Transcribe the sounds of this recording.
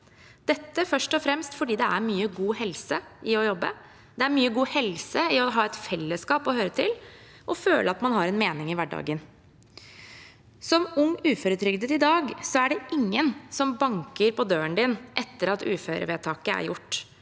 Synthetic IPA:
d̪̥ɛt̪ːəfœʂʈɔfɾɛmst̪fɔɖiːd̪ɛæɾmyːəɡuːhɛlsəʔɪɔjɔbːə | d̪̥ɛæɾmyːəɡuːhɛlsəɪɔɦɑːɛt̪fɛlːəskɑːpɔhøːɾət̪ʰɪl | ʔɔføːlʔəɑt̪mɑnɦɑɾɛnmeːnɪŋɪʋæɖɑ̰ːɡən | sɔmʊŋʉːføːɾət̪ʰɾʏɡd̪ət̪ɪd̪ɑːɡsɔæɖɛʔɪŋːənsɔmbɑŋkəɾpɔd̪øːənd̪ɪnʔɛt̪ːəɾɑt̪ʉ̰ːføːɾə̰ʋeːt̪ʰɑːkəæ̰ɾjʊʈː

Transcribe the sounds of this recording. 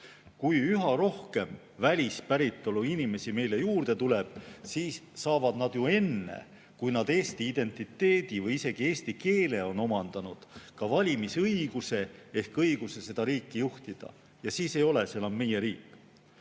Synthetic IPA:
kujyɦɑɾo̞hke̞m | vælʲispæɾit̪ːˑo̞luinime̞sime̞jle̞juːrd̪̥e̞t̪ule̞b̥siːssɑːvɑd̪̥nɑd̪̥jue̞nːḛ | kujnɑd̪e̞ːst̪iːd̪̥e̞nt̪ˑit̪ːˑe̞ːd̪̥ivɤjise̞ɡ̥ie̞ːst̪ike̞ːle̞o̞no̞mɑnd̪̥ɑnud̪̥kɑvɑlʲimisɤiɡ̥use̞e̞hkɤjɡ̥use̞se̞d̪̥ɑɾiːkˑːijuht̪id̪̥ɑ̰ | jɑsiːse̞jo̞le̞senɑmme̞jeɾiːkːˑ

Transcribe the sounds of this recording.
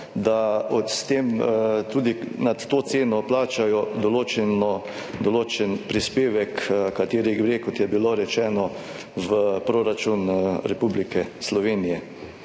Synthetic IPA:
d̪aɔst̪eːmt̪uːd̪inat̪ːoːt̪seːnɔplaːt͡ʃajɔd̪ɔloːt͡ʃɛnɔ | d̪ɔloːt͡ʃɛnpɾispeːʋɛkkːat̪eːɾiɡɾekɔt̪jɛbiloːɾɛt͡ʃɛːnɔ | ʋəpɾoːɾat͡ʃunɾɛpublikɛslɔʋeːnijɛ

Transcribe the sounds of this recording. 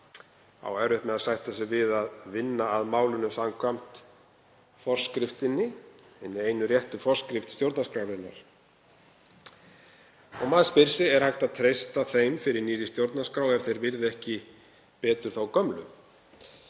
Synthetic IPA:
a̰wɛɾʏht̪mɛðaðsajht̪asɪvɪðaðvɪnːaːðmaːwlʏnʏsamkʰvam̥t̪ | fɔr̥skɾɪft̪ɪnːɪ | ɛnːɪeːjnʏɾjɛht̪ʏfɔr̥skɾɪft̪st̪jowɾt̪naskɾawɾɪnːa̰ɾ̥ | ɔɣmaːðspɪɾ̥sɪɛɾ̥hajht̪aðt̪ʰɾejst̪aθejmfɪɾɪɾniːðɪst̪jowɾt̪naskɾaːwɛv̥θejɾvɪɾðɪɛhcɪ | pɛːt̪ʏɾ̥θawkœmlʏ̰

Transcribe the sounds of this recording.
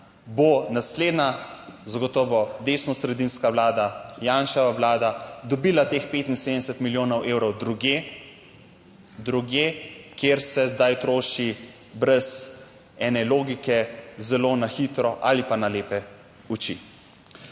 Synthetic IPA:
bonasleːd̪nazaɡɔt̪ɔːʋɔd̪eːsnɔsɾɛd̪inskawlaːd̪ajaːnʃaʋawlaːd̪ad̪ɔbiːlat̪eːxpeːt̪inseːd̪ɛsɛt̪miljoːnɔwʔeːwɾɔwd̪ɾuɡe | d̪ɾuɡjeːkjeɾsɛzd̪ajt̪ɾoːʃi | bɾɛs | ɛːnɛloːɡikɛzɛloːnaxit̪ɾɔʔalipanaleːpɛ | ut͡ʃḭ

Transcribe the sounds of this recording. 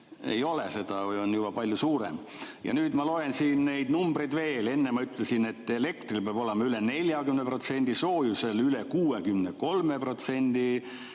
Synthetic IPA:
ejo̞lese̞d̪̥ɑjo̞njub̥ɑpɑlʲjusuːɾḛm | jɑ̰nyːd̪̥mɑlo̞ensiːnne̞jd̪numbrejd̪ve̞ːle̞nːemɑyt̪ːˑlesine̞t̪ːˑe̞le̞kt̪rilpeb̥o̞lemɑyle̞ne̞lʲjɑkymnepro̞t̪se̞nʲd̪̥iso̞ːjuse̞lylekuːe̞kymneko̞lme̞pro̞t̪se̞nʲd̪̥i

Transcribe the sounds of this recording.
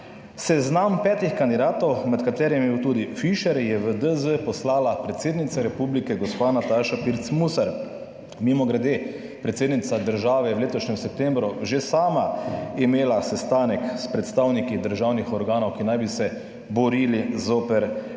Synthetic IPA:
sɛznampɛːt̪ixkand̪id̪aːt̪ɔwmɛt̪kat̪eːɾimibiwt̪uːd̪ifiʃɛɾjɛʋəd̪əzəpɔslaːlapɾɛt̪seːd̪nit̪saɾɛpublikɛɡɔspanat̪aʃapiɾt̪smusaɾ | mimɔɡɾɛd̪e | pɾɛt̪seːd̪nit̪sad̪əɾʒaːʋɛwleːt̪ɔʃnɛmsɛp̚t̪ɛmbɾuʒesaːmaimeːlasɛst̪aːnɛkspɾɛt̪st̪awnikid̪əɾʒawnixɔɾɡaːnɔwkinajbisɛ | bɔɾilizoːpɛɾ

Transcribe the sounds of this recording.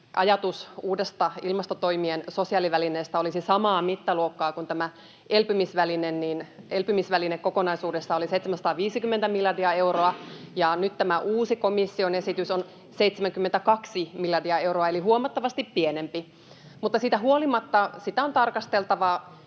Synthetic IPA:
ʔɑjɑt̪usuːdest̪ɑilmɑst̪ot̪oimiensosiɑːliʋælineːst̪æolisisɑmɑːmit̪ːæluokːɑːkunt̪æmæ | elpymisʋælinenniːnelpymisʋælinekkokonɑisuːdesːɑoliseit̪semæsɑ̥t̪ɑːʋiːsikymːent̪æmiljɑrdiɑewroɑjɑnyt̪t̪æmæʔuːsikomisːionesit̪yson | seit̪semæŋkymːent̪ækɑksimiljɑrdiɑeuwroɑelihuomɑt̪ːɑʋɑst̪ippienempi | mut̪ːɑsiːt̪æɦuolimɑt̪ːɑsit̪æo̞nt̪ɑrkɑst̪elt̪ɑʋɑ

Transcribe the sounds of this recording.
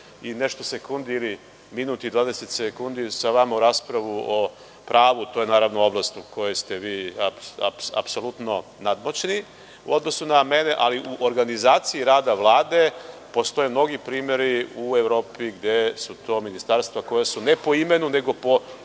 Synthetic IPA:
ine̞ʃt̪osekund̪iili | minuːt̪id̪ʋaːd̪e̞set̪sekund̪isaʋamauɾaːspɾaʋuo | pɾaːʋut̪ojenaːɾaʋno̞o̞blˠast̪ukʰo̞jest̪e̞ʋiːapa̰psa̰pso̞lut̪no̞nad̪mot͡ɕni | ṵo̞d̪no̞suname̞neʔaliʔuʔoɾɡanizaːt̪siiɾaːd̪aʋlˠaːd̪e̞po̞st̪o̞jemno̞ɡipɾiːme̞ɾiuevɾo̞ːpiɡd̪esut̪o̞ːminist̪aɾst̪ʋako̞jasune̞po̞ime̞nune̞ɡo̞po̞

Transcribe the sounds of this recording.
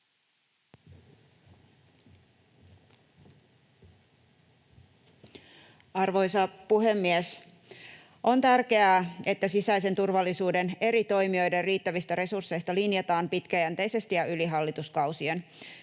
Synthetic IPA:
ɑrʋo̞jsɑpuɦe̞mːies | ʔo̞nt̪ærkeæːe̞t̪ːæsisæise̞nt̪urʋɑlːisuːde̞ne̞ɾit̪o̞jmio̞jderriːt̪ːæʋist̪æɾe̞sursːe̞jst̪ɑlinijet̪ɑːmpit̪kæjænt̪e̞jse̞st̪ijɑʔyliɦɑlːit̪uskɑwsien

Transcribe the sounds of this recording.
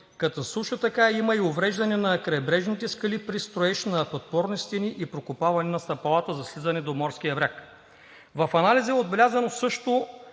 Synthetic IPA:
kɐt̪ɔsˠuʃʊt̪ɐkaimɐiovɾɛʒd̪ɐnɛnɐkɾɐɛbɾɛʒnit̪ɛskɐlipɾist̪ɾoɛʃnɐpot̪̚pɔɾnost̪ɛniʔipɾokʊpavɐnɛnɐst̪ɐpɐlˠat̪əzɐslizɐnɛd̪omɔɾsk̟ijɐbɾʲak | vɐfɐnalizɛod̪̚bɛlʲazɐnosɤʃt̪o

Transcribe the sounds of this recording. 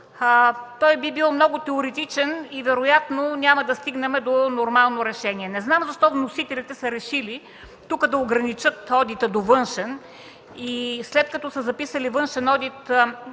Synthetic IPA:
t̪ɔjbibilˠmnɔɡʊt̪ɛoɾɛt̪it͡ʃɛnivɛɾojat̪nonʲaməd̪ɐst̪iɡnɐmɛd̪onoɾmalˠnoɾɛʃɛniɛnɛznamzɐʃt̪ɔvnosit̪ɛlit̪ɛsɐɾɛʃili | t̪ukəd̪ɐoɡɾɐnit͡ʃɤt̪ɔd̪it̪əd̪ovɤnʃɛn | islɛt̪kɐt̪ɔsɐzɐpisəlivɤnʃɛnɔd̪it̪

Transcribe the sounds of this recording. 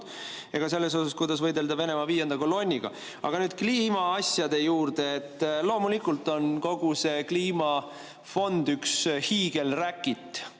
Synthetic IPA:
e̞ɡ̥ɑse̞lːe̞s̬o̞sɑskujd̪̥ɑsvɤjd̪e̞ld̪ɑve̞ne̞mɑviːjend̪̥ɑkolo̞nʲːiɡ̥ɑ̰ | ʔɑ̰ɡ̥ɑnyːd̪̥kliːmɑɑsjɑd̪e̞juːrd̪̥e̞ːt̪ːlo̞ːmulikːult̪ːˑo̞nko̞ɡ̥use̞kliːmɑ | fo̞nd̪̥ykshiːɡ̥e̞lrækːˑit̪ːˑ

